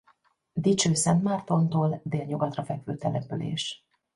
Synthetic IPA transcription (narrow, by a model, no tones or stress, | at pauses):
d̪it͡ʃøːsɛnt̪maːrt̪o̞nt̪oːld̪eːlɲuɡɒt̪rɒfɛkfø̰ːt̪ɛlɛpølḛːʃ